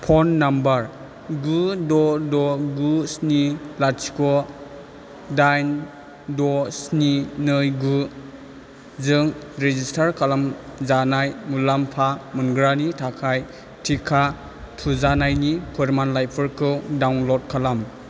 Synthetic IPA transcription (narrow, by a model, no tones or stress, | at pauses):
pʰɔnːambaɾ | ɡudɔdɔɡusnilasi̥kɔ | dajn | dɔsninɯjɡu | zɯŋɾezistʰaɾkʰalamzanajmulampʰamɯnɡɾanitʰakʰaj | tʰikʰa | tʰuzanajnipʰɯɾmanlajpʰɯɾkʰɯwdawnlɔd̚kʰalam